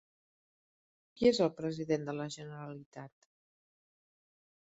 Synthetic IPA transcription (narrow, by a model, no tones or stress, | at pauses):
kiezəlˠpɾəziðend̪ələʒənəɾəlit̪at̪